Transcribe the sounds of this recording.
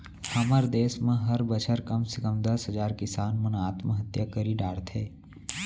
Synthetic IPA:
hɐməɾd̪eːsmẽɦɐɾbət͡ʃʰəɾkɐmsɪkəmd̪ɐsɦəd͡ʒaːɾkɪsaːnmənaːt̪məɦət̪jakəɾiɖaːɽt̪ʰeː

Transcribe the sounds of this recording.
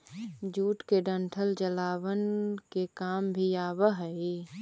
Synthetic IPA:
d͡ʒuːʈkeɖə̃ɳʈʰəld͡ʒəlaːwənkekaːmbʱiaːwəɦəi

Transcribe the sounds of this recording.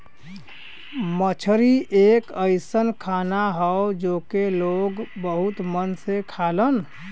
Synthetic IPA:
mət͡ʃʰɾiʔekəɪsənkʰanaɦəod͡ʒokeloɡbəɦut̪mənsekʰalən

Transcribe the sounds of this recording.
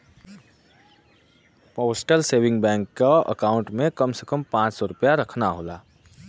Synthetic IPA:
pɔːsʈəlseːwɪ̃ŋɡbɛ̃ːŋkːaə̰kaːʊ̃ɳʈmẽkəmsekəmpãːt͡ʃsɔɾʊpjaɾəkʰnaɦoːlaː

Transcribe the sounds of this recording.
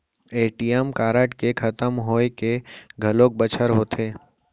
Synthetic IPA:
eːʈijemkaːɾəʈkekʰɐt̪əmɦoːekeɡʱəlõːk̚bət͡ʃʰəɾɦoːt̪ʰeː

